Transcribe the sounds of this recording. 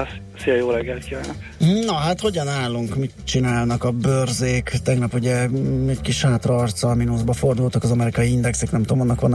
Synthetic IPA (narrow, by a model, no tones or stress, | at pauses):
s | sijɛjoːɾɛɡːɛlt̪kiɛnɛk̩ːnɒɦat̪ho̞ɟɒnaːlːuŋkmit̪t͡ʃinaːlnɒkɒbørzeːkt̪ɛɡnɒpuɟɛɛckiʃhaːt̪rːrt̪sɒlminuzbɒfo̞rd̪ult̪ɒkɒzɒmɛɾikɒjiind̪ɛksɛknɛmt̪oːmonːɒkʋɒnː